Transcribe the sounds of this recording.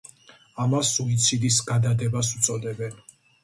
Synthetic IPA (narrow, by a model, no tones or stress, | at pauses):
amasuit̪sʰid̪isɡad̪ad̪ɛbasut̪sʼɔd̪ɛbɛn